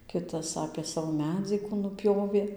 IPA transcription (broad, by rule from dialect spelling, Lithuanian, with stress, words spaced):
ˈkʲɪtɐs ɐpʲeː ˈsɑːʋoː ˈmʲæːd͡zʲiː kuː nʊˈpʲjoːʋʲeː